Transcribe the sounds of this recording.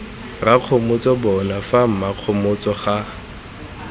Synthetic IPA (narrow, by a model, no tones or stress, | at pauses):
raq͡χʰomʊt͡sɔbɔnafam̩maq͡χʰomʊt͡sɔχa